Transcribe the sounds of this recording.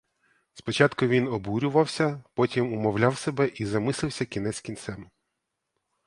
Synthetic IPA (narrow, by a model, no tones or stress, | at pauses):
spɔt͡ʃɑt̪kʊʋʲinɔbuɾʲʊʋɐwsʲɐpɔtʲimʊmɔwlʲawsebɛʔizɐmɪsˠɪwsʲɐkʲin̪ɛsʲkʲint̪sɛm